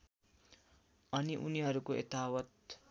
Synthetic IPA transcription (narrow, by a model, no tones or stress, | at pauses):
ʌniʔṵniɦʌɾukoʔḛt̪awʌt̪